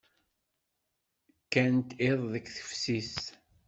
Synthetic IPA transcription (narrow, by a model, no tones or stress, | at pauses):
kːænt̪eðˤðəkːθə̥fsis